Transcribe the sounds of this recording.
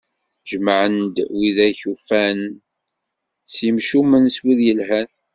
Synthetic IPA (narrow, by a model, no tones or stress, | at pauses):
ʒəmʕənd̪wiðæçufæn | səmʃumənswiðjəlɦæn